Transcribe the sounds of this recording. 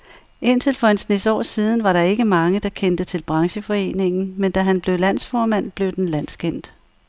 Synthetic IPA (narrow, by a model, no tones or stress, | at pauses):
ʔe̝n̰t͡sʰe̝lfɒ̽ensnesɒ̰ːsiːð̞ˠn̩ʋɑ̈ɾɑ̈e̝ɡ̥əmɑ̈ŋəd̥ɑ̈kʰend̥ət͡sʰe̝lb̥ʁɑ̈ŋɕəfɒ̽e̝̰ːne̝ŋn̩mend̥æɦænb̥le̝ʊlæn̰sfɒːmæn̰b̥le̝ʊd̥enlæn̰skʰen̰d̥